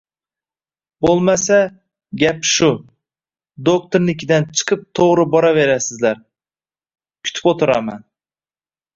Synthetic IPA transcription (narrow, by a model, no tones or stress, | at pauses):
bolˠmasa | ɡʲapʃʊ | d̪ok̚t̪ʰoɾnɪkʲʰɪd̪ant͡ʃʰɨ̥qʰɨp̚t̪ʰoʁɾɨbɒɾave̞ɾasɪzlaɾ | kʲʰy̥t̪ʰɪ̥pot̪ʰʊɾama̰n